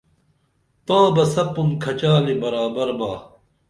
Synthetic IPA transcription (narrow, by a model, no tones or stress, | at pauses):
t̪ãːbɐsɐpːumkʰɐt͡ɕaːlibɐɾaːbɐɾbaː